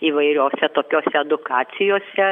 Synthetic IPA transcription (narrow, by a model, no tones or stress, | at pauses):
iːʋɐɪɾʲoːsʲɛt̪oːkʲoːsʲɛɛd̪ʊkɑːt̪sʲɪjoːsʲɛ